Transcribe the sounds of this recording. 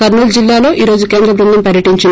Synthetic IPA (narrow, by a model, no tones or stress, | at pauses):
kɐɾnuld͡ʒilːaːlo̞ːʔiːɾo̞ːd͡ʒukeːnd̪ɾɐbɾund̪ɐmpɐɾjɐʈiɲt͡ʃin